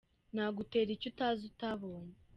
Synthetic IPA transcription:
naːɡute̞ːɾicutazutaβo̞ːɲe

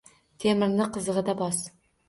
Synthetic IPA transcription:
t̪ʰemɪɾnɪqʰɨzəʁɨd̪abɒs

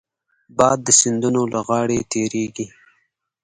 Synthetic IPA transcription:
bɑd̪ːəsɪnd̪unolaɣɑɽet̪ʰeɾeɡi

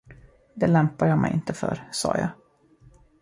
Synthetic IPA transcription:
d̪ɛlɛmpajaːmɛjʔɪnt̪əfœɾsɑ̰ːjɑː

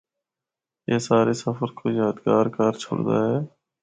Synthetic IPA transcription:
jeːsaːɾeːsəfəɾkʰoːjaːd̪ɡaːɾkaɾt͡ʃʰo̰ːɽd̪a̰ːɦɛː

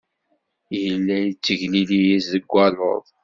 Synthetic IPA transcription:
jəlːæjit͡sːəʝlilijizəɡʷːɑlˤo̰ðˤ

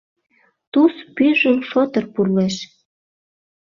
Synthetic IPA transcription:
t̪uspyʒəmfɤt̪ə̆rpurleʃ

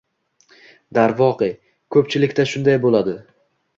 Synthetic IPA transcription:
d̪aɾvɒqɨj | kʰɵpt͡ʃʰɪlɪkʲt̪aʃʊnd̪ajbolad̪ɪ

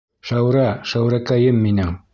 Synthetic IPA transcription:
ʃæwɾæʃæwɾækæjɘmːinɘŋ

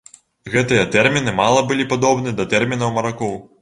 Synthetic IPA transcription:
ɣɛt̪ɨjɐt̪ɛrmʲinɨmalˠɐbɨlʲipad̪ɔbnɨd̪ɐt̪ɛrmʲinɐwmɐɾakɔw

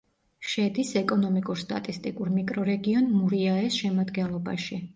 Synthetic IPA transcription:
ʃɛd̪isɛkʼɔnɔmikʼuɾst̪ʼa̰t̪ʼist̪ʼikʼuɾmikʼɾɔɾɛɡiɔnmuɾiaɛsʃɛmad̪ɡɛnlˠɔba̰ʃi

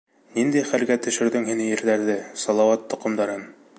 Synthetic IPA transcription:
nind̪æjχælɡæt̪ɵ̆ʃɘ̆ɾðɵŋhinɘjɘ̆ɾlæɾðɘsɒlˠɑwɑt̪ːŏqŏmd̪ɑɾɤn

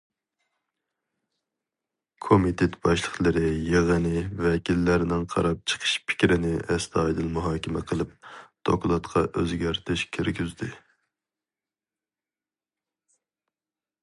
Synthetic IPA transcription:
kʰomit̪ʰet̪b̥ɑʃlˠəχlˠɨɾɨjeʁənɪvɛkʲilːæɾnɪŋqʰɑ̰ɾɑp̚t͡ʃʰə̥qʰə̥ʃpʰɪ̥kʲɾɪnɪʔɛst̪ʰɑːjd̪ɨlmuɦɑːkʲʰɪmɛqʰəlˠɨp̚d̪̥oklˠɑt̪qʰɑʔøzɡʲæɾt̪ʰɪʃkʲʰiɾɡʲyzd̪ɪ

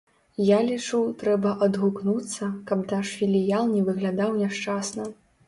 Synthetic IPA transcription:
jalʲit͡ʂuwt̪ɾɛbɐʔɐd̪ɣuknut̪sːɐkɐpnaʂfʲilʲijalˠnʲɛvɨɣlʲad̪awnʲaʂt͡ʂasnɐ

